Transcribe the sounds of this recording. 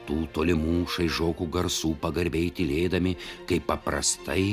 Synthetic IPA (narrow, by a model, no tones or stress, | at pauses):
t̪uːt̪oːlʲɪmuːʃɐɪʒoːkuɡɐɾsuːpɐɡɐɾʲbʲeːt̪ʲɪlʲeːd̪ɐmʲɪkɐɪpːɐpɾɐst̪ɐɪ